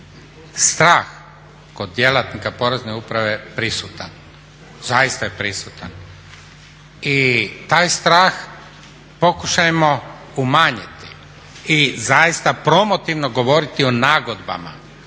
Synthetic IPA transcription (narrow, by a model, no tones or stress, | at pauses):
st̪ɾaːx | ko̞d̪je̞lat̪nikapo̞ɾezneupɾaʋepɾisut̪an | zajist̪ajepɾisut̪an | it̪aːjst̪ɾaːx | po̞kuʃajemo̞ | umaːɲit̪i̥ | izajist̪apɾo̞mo̞t̪iʋno̞ɡo̞ʋo̞ɾit̪ionaːɡod̪ba̰ma̰